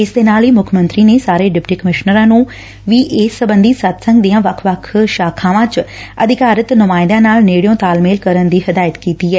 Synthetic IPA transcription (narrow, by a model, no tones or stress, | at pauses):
ɪsd̪eːnaːliːmʊkʰmə̃nt̪ɾiːneːsaːɾeːɖɪpʈiːkəmɪʃnəɾãːnũː | ʋiːʔeːsːəbənd̪iːsət̪sə̃ŋɡd̪iːãːʋəkʰʋəkʰʃaːkʰãːʋãːt͡ʃəd̪ɪkaːɾət̪nʊmaːɪ̃nd̪ãːnaːlneːɽɪjõːt̪aːlmeːlkəɾənd̪iːɦəd̪aːjət̪kiːt̪iːɛː